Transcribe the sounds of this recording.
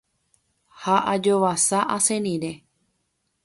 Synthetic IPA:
haʔad͡ʒoʋasaʔasẽnĩɾe

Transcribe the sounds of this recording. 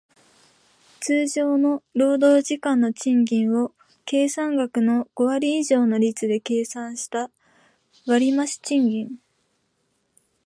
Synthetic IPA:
t͡sɨːʑo̞ːno̞ɾo̞ːd̪o̞ːʑikãnːo̞t͡ɕĩŋɡʲĩɰ̃βo̞ | ke̞ːsãŋɡakɯ̟no̞ɡ̥o̞βaɾʲiːʑo̞ːno̞ɾʲit͡sɨd̪e̞ke̞ːsãɰ̃ɕi̥t̪a | βaɾʲimaɕi̥t͡ɕĩŋɡʲĩŋ

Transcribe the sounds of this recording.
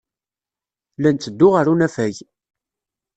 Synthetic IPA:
lænt͡s̪ːəd̪ːʊʁaɾunæfæj

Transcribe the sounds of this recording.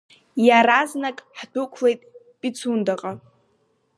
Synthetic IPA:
jaɾaznakʼħdʊkʷʰlejtʼ | pʼit͡sʰundaqʼa

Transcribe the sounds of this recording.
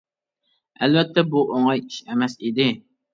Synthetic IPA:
ɛlvɛt̪ʰːɛbuʔoŋɑjiʃɛmɛsid̪ɪ

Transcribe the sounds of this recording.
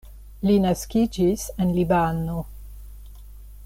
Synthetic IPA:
linaskid͡ʒisenlibano

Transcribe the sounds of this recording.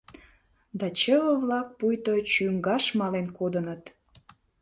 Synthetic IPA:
d̪ɑt͡ɕəβə̆βlɑk̚pujt̪ot͡ɕyŋɡɑʃmɑlenkod̪ənət̪

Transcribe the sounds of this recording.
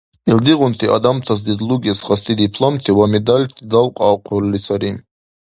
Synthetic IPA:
ɛld̪iʁunt̪ʰiʔa̰d̪amt̪ʰas̬d̪id̪luɡɛsχast̪ʰid̪ipʰlˠɔmt̪ʰiwamɛd̪alʲt̪ʰid̪alqʼaːqʰɔɾlisʰaɾim

